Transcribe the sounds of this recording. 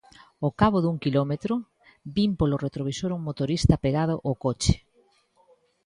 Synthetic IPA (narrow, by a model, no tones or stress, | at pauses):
okaβoðuŋkilomet̪ɾʊ | bimpoloret̪ɾoβisoɾuŋmot̪oɾist̪ɐpeɣað̞oʔokot͡ʃe̥